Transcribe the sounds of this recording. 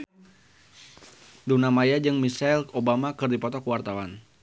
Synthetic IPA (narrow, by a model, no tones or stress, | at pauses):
dunamajad͡ʒɨŋmisailobamakɨrdipɔt̪ɔkəwart̪awan